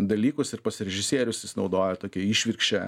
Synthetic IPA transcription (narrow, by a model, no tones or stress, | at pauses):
d̪ɐlʲiːkʊsɪɾpɐsʲɾʲɛʒʲɪsʲiɛɾʲʊsʲɪsʲnɒʊd̪oːjɛt̪oːkʲɛiːʃʲʋʲɪɾkʃʲt͡ʃʲɛ